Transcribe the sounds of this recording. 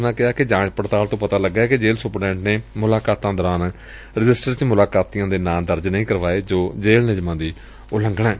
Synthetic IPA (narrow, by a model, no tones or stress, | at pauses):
nãːkɪaːkɪd͡ʒãːt͡ʃpəɾt̪aːlt̪õːpət̪aːləɡːaːɛːkɪd͡ʒeːlsʊpɖɛ̃ːɳʈneːmʊlaːkaːt̪ãːd̪əːɾaːn | ɾɪd͡ʒɪsʈəɾt͡ʃmʊlaːkaːt̪ijãːd̪eːnãːd̪əɾd͡ʒnəĩːkəɾʋaːeːd͡ʒoːd͡ʒeːlnɪd͡ʒmãːd̪iː | ʊlə̃ŋɡɳãɛː